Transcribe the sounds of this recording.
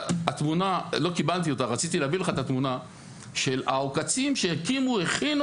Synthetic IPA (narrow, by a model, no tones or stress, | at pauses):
at̪munalo̞kibalt̪̬ijo̞t̪aʁat͡sit̪̬ileavileχaet̪at̪muna | ʃe̞la̰okat͡simʃejakimueχin